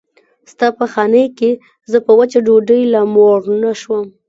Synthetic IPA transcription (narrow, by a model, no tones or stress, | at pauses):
st̪ɑpəxɑnəjke | zəpəwat͡ʃaɖoɖəjlamoɾnaʃwəm